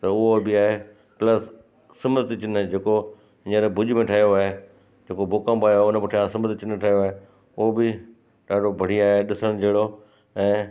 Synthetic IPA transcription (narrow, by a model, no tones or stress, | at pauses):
t̪ɐʊɦobɪaːɦe | plɐsː | ɐməɾt̪ɪt͡ɕɪnd͡ʑeːko | ɪɲə̃ɾebʱʊʄmẽʈʰɐɦijoaːɦe | d͡ʑeːkoboːkãmbaːjoʊnəbɪʈʰɐjãsɐməɾt̪ɪt͡ɕɪnʈʰɐɦijoaːɦe | ʊɦobɪ | ɗaːɖʱobʱɐɽ̤iaːɦeɗɪsəɽ̃̆d͡ʑʱeːɽo | ɛ̃ː